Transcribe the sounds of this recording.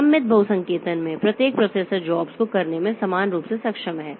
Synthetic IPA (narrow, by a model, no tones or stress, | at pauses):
ɐmːɪt̪̚bʱɐɦʊsɐ̃ŋkeːt̪ənmẽpɾɐt̪jeːk̚pɾoːseːsəɾd͡ʒɔːbskokɐɾnemẽsɐmaːnɾuːpsesɐkʃəmɦɛː